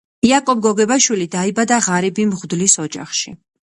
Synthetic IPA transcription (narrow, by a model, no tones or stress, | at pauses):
iakʼɔb̚ɡɔɡɛbaʃwilid̪aibad̪aʁaɾibimʁd̪lisɔd͡ʒa̰χʃi